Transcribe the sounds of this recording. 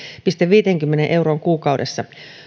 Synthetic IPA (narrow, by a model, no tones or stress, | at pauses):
pist̪eʋʋiːt̪eŋkymːenenʔe̞uroːŋkuːkɑudesːɑ